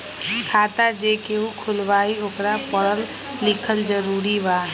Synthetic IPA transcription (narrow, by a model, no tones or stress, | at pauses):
kʰaːt̪ad͡ʒekeɦũkʰʊlbaːiokɾapəɾəl | lɪkʰəld͡ʒəɾuːɾibaː